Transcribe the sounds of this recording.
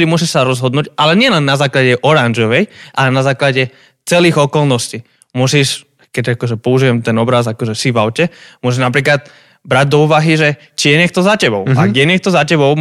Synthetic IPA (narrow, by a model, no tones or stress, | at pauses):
d̪imʊus̬iʃsaɾɔzɦɔd̪nuːɟalɛɲɪɛlɛnːazaːklaɟɛʔɔɾanʒɔʋɛjʔalɛnazaːklaɟɛ | t͡sɛliːɣɔkɔlnɔsci | mʊusiʃ | kɛɟakɔʒɛpɔuʒiʋɛmt̪ɛnɔbɾazakɔʒɛsivaʊcɛmʊɔsiʒnapɾiːklat̪̚ | bɾaɟ̚d̪ɔuːʋaɦiʒɛ | t͡ʃijɛɲɛkt̪ɔzacɛbɔʊaɡjɛɲɛk̚t̪ɔzacɛbɔʊ